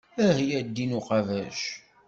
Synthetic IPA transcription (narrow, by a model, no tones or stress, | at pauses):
æhjæd̪ːinuqɑvæʃ